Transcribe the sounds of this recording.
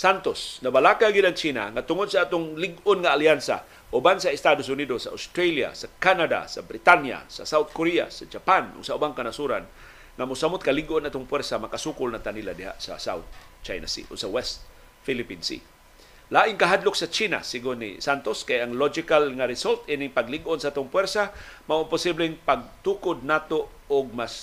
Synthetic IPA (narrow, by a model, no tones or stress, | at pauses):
sant̪osnabalakaɡɪdʔaŋt͡ʃiːna̰ŋat̪ʊŋʊd̪saat̪ʊŋlɪɡʊnŋaːljansa̰ | ʔʊbansaɪst̪adʊsʊnidosaʔa̰st̪ɾalja̰sakanada̰sa̰bɾɪt̪anja̰sa̰sawt̪̚koɾia̰sad͡ʒapanʔʊ̰ɡ̥saʊbaŋkanasuɾan | ŋamʊsamʊt̪̚kalɪɡʔʊnʔat̪ʊŋpwɛɾsamakasuːkʊlnat̪aniladɪha̰ʔsa̰sa̰wt̪̚ | t͡ʃajna̰sḭʔʊ̰ɡ̚sawɛst̪̚ | filɪpinsḭ | laːʔɪŋkaɦad̪lʊksat͡ʃina̰siɡʊnːḭsant̪oskajaŋlod͡ʒɪkalŋaɾɪsolt̪ʔinɪŋpaɡliɡʔonsaʔaːt̪ʊŋpwɛɾsamaʔʊnpʊsiblɪŋpaɡ̚t̪uːkʊd̪̚naːt̪o | ʊɡ̚mas